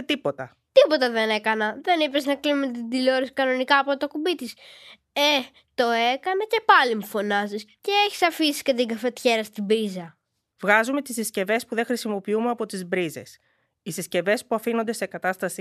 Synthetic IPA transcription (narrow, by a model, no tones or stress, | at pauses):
t̪ipo̞t̪ɐ | t̪ipo̞t̪ɐðene̞kɐnɐðe̞nipeznɐkliumet̪id̪iloɾisi̥kɐno̞nikɐːpot̪o̞kubit̪is | e | t̪o̞e̞kɐnɐce̞pɐlimufo̞nɐzisceeçi̥sɐfisi̥scet̪iŋɡɐfe̞t̪çe̞ɾɐst̪ibɾizɐ | vɣɐzume̞t̪isisce̞ve̞spuðexɾisimo̞piumeɐpo̞t̪izbɾize̞s | isisce̞ve̞spuɐfino̞nd̪e̞se̞kɐt̪ɐst̪ɐsi